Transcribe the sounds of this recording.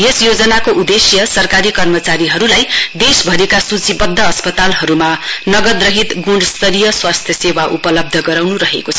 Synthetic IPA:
esjod͡zʌnakoʔud̪esjʌsʌrkaɾikʌrmʌt͡saɾiɦʌɾulajd̪esbʱʌɾekasut͡sibʌd̪ʱːʌːspʌt̪alɦʌɾumanʌɡʌd̪rʌɦit̪ɡuɳʌst̪ʌɾijʌswast̪ʰjʌsewaʔupʌlʌb̚d̪ʱʌɡʌɾawnuɾʌɦḛkot͡sʰʌ̥

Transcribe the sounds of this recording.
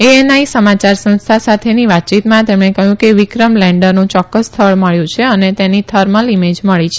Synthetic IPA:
eenaisəmat͡ʃaɾsə̃ñst̪ʰasat̪ʰeniʋat̪̚ːt͡ʃit̪mãt̪emɳekəɦjũkeʋikɾəmlɛ̃ɳɖəɾnũt͡ʃɔkːəsːt̪ʰəɭməɭjũt͡ʃʰeənet̪enit̪ʰəɾmə̃limed͡ʒməɭit͡ʃʰe

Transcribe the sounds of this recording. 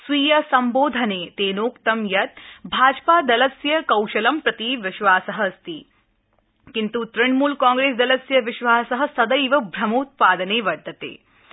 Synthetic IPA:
sʋiːjɐsɐmboːd̪ʱɐneːt̪eːnoːkt̪ɐmjɐt̪̚bʱaːd͡ʒpaːd̪ɐlɐsjɐkɐwʃɐlɐmpɾɐt̪iʋɪʃʋaːsɐɦəɐst̪iː | kint̪ut̪ɾɐɳmuːlkãːŋɡɾeːsd̪ɐlɐsjɐʋɪʃʋaːsɐɦɐ̆sɐd̪ɐjʋɐbʱɾɐmoːt̪̚paːd̪ɐneːʋɐɖ̪ːɐt̪ḛː

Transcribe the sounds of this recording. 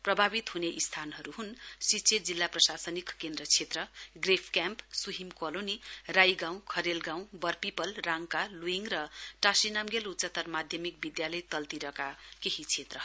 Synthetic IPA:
prʌbʱabit̪ɦuneʔist̪ʰanɦʌɾuɦunsit͡sʰed͡zilːaprʌsasʌnikkend̪rʌt͡sʰet̪rʌɡrepʰkjampsuɦimkolonirajɡãw̃kʰʌɾelɡãw̃bʌrpipʌlraŋkaluiŋrʌʈasinamɡelutsʌt̪ːʌrmad̪ʱjʌmik̚bid̪jalʌjt̪ʌlt̪iɾʌkakeɦit͡sʰet̪rʌ

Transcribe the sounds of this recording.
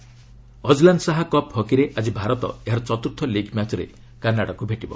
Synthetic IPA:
ɔd͡ʒlanɖsaɦakɔphɔkiɾeʔad͡ʒibʱaɾɔt̪ɔ̰eɦaɾɔt͡ʃɔt̪uɾt̪ʰːɔliɡmat͡ʃɔɾḛ | kanːaɽakubʱeʈibɔ̰

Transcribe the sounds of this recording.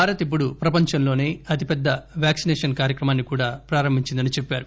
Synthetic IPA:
aːɾɐt̪ip̬ːuɽupɾɐpɐɲt͡ʃɐnlo̞ːne̞ːɐt̪ipɛd̪ːɐʋjaːksinɛːʂɐnkaːɾjɐkɾɐmaːnːikuːɽaːpɾaːɾɐmbʱiɲt͡ʃind̪ɐnit͡ʃepːaːɾu

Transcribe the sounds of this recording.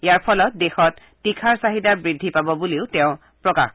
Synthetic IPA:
ijaɹpʰɔlɔt̚dexɔtːikʰaɹsaɦidabɹidʱːipabɔbuleʊtɛʊ̃ | pɹɔka̰x

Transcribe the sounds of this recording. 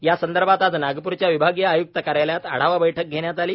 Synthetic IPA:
jasənd̪əɾbʱat̪ad͡znaɡpuɾt͡ɕjaʋibʱaɡjaajuk̚t̪əkəɾajljat̪a̰ɽ̤aʋabəjʈʰək̚ɡʱeɽjat̪aliː

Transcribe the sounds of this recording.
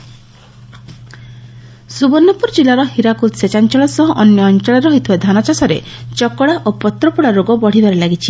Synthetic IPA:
subɔnːɔpuɾd͡ʒilaɾɔhiɾakut̪set͡ʃant͡ʃɔɭɔsɔɦɔʔɔnjɔːnt͡ʃɔɭɔɾɔɦijt̪ʰibad̪ʱanat͡ʃasɔɾḛt͡ʃɔkɔɽaʔopɔt̪ɾɔpuɽaɾoɡɔbɔɽ̤id̪ʱaɾelaɡit͡ʃʰi

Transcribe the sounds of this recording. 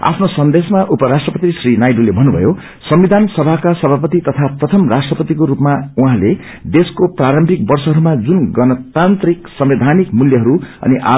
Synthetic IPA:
a̰pʰnosʌnd̪esmaʔupʌɾasʈrʌpʌt̪isrinajɖulebʱʌnːubʱʌ̰jo | sʌmbid̪ʱansʌbʱakasʌbʱapʌt̪it̪ʌt̪ʰaprʌt̪ʰʌmrasʈrʌpʌt̪ikoɾupmauɦãle | d̪eskopraɾʌmbʱik̚bʌrsʌɦʌɾumad͡zunɡʌnʌt̪ant̪riksʌmed̪ʱanikmuljʌɦʌɾuʌ̰niʔa̰

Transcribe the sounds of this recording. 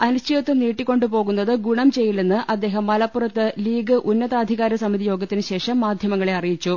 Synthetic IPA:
ɐnust͡ɕʰijɐt̪ːɨniːʈːikʲːo̞ɳɖupo̞ːɣunːɐðɨɡuɳɐmt͡ɕe̞jːilenːɨʔɐd̪ːe̞ːɦɐmːɐlɐpːurɐt̪ːɨliːɡɨʔunːɐðaːd̪ʱiɣaːɾɐsɐmiðijo̞ːɡɐt̪ːinɨɕe̞ːʂɐmːaːd̪ʱjɐmɐŋːɐɭeɐrijit͡ɕːu

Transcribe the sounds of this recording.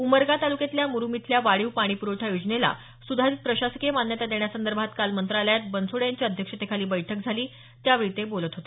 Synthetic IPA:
uməɾɡat̪aluket̪ljamuɾumit̪ʰljaʋaɭiwpaɽ̃iːpuɾoʈʰajod͡zɳela̰ | sud̪ʱaɾiːt̪̚pɾəɕaskemanjət̪ad̪eɳ̃jasənd̪əɾbʱat̪kalmənt̪ɾaljat̪̚bənsoɽjaɲt͡ɕiəd̪ʱjəkʂət̪ekʰaliːbəjʈʰək̚d͡zʱaliː | t̪jaʋeɭt̪ebolət̪ɦot̪e

